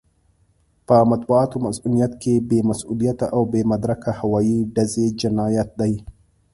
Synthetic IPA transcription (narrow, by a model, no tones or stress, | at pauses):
paːmɐt̪waːt̪umɐsʔulɪjɐt̪kebeːmɐsʔulijat̪aʔawbeːmɐd̪ɾɐkahawaːjiːdɐzed͡ʒɐnaːjɐt̪̚ɗ̪ɐj